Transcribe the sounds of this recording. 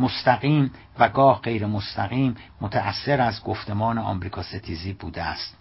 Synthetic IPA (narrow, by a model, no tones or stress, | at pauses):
most̪ʰæɣiːm | væɡɒːhɢe̞jɾemost̪ʰæɣiːmːot̪ʰæʔæsːe̞ɾæzɡo̞ft̪e̞mɒːneɒ̰ːmɾiːkʰɒːset̪ʰiːziːbuːd̪eæst̪